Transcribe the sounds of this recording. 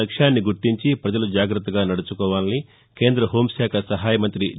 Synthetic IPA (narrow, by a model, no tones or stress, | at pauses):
ɐkʂaːnːiɡuɾʈiɲt͡ʃipɾɐd͡ʒɐlud͡ʒaːɡɾɐt̪ːɐɡaːnɐɽut͡ʃukɔːʋaːni | ke̞ːnd̪ɾɐɦoːmʃaːkʰɐsɐɦaːjɐmɐnt̪ɾi